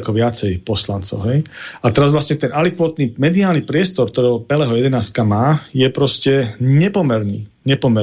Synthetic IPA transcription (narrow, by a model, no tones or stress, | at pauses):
kɔʋɪat͡sɛjpɔslant͡sɔ̰ʊɦɛjat̪ɛɾazʋlasɲɛt̪ɛnalikʋɔt̪niːmɛd̪iaːlnipɾɪɛst̪ɔɾk̚t̪ɔɾɛːɦɔpɛlɛːɦɔjɛd̪ɛnaːskamaːjɛpɾɔscɛɲɛpɔmɛɾnḭː | ɲɛpɔmɛ